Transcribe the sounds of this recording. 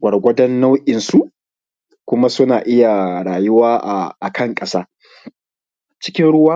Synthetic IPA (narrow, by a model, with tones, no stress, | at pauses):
ɡʷɐ˨rɡʷɐ˦dɐ˦nːa˦wʔʲʼɪ˨nsu˦˨ʔ | kʷʊ˦ma˦sʊ˦naː˨ʔɪ˦ja˨ɽaː˨jʊ˦waː˦ʔa˨a˨kʰɐ˦˨ŋkʼɐ˦saː˦ | t͡ʃɪ̥˦kʲɪ˦nɽʊ˦waː˦